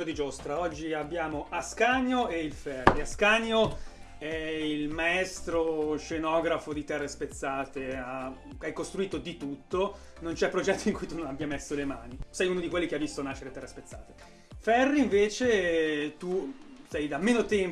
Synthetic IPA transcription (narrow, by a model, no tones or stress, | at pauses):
od̪id͡ʒost̪ɾaɔd͡ʒːiabːjaːmoʔaskaːɲoeilfɛrːiaskaːɲo | ɛilmaɛst̪ɾoʃenɔːɡɾafod̪it̪ɛrːespet̪sːaːt̪eakeajkost̪ɾuiːt̪od̪it̪ut̪ːo | nont͡ʃɛpːɾod͡ʒɛt̪ːoiŋkujt̪unõnabjamesːolemaːnisɛjunod̪ikwelːikeavːist̪onaʃeɾet̪ɛrːespet̪sːa̰ːt̪e̥ | fɛrːiiɱveːt͡ʃet̪usɛjd̪amːeːnot̪ɛm